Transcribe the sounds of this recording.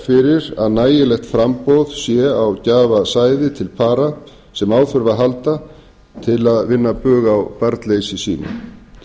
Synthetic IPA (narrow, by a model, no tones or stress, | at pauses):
fɪɾɪɾa̰ðnaːjɪlɛxt̪fɾampowðsjɛawcaːvasaːjðɪt̪ʰɪlpʰaːɾa | sɛmaːwθʏɾvaɦalt̪a | t̪ʰɪlaðvɪnːapʏːɣawpaɾt̪leːjsɪsiːnʏ̰